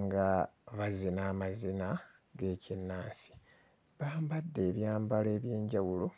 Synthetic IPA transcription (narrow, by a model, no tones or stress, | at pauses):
ŋɡa | βazinaːmazina | ɡe̞ːcinːaːnsi̥ | βaːmbadːe̞ːβjaːmbaleːβje̞ːɲɟawulo